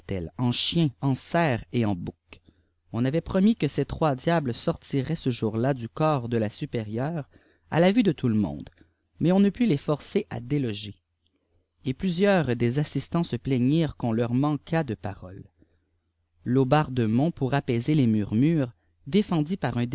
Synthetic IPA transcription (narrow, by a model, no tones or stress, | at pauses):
t̪ɛ̰lɑ̃ʃjɛ̃ɑ̃sɛːʁeɑ̃buk | ɔ̃navɛpχɔmikəset̪χwad̪jablsɔʁt̪iʁɛsəʒuʁlad̪ykɔːʁd̪əlasypeʁjœːʁ | a̰lavyd̪ət̪ʰuləmɔ̰̃d̪ | mɛɔ̃nəpylefɔʁseʔa̰d̪elɔʒe | eplyzjœːʁd̪ezasist̪ɑ̃səplɛɲiːʁkɔ̃lœʁmɑ̃kʰad̪əpa̰ʁɔl | obaʁd̪əmɔ̃puʁapɛzelemyʁmyːʁ | d̪efɑ̃d̪ipaʁɛ̃d̪